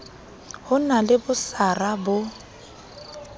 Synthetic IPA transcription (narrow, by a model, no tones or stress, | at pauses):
hʊnalɪbʊsarabʊ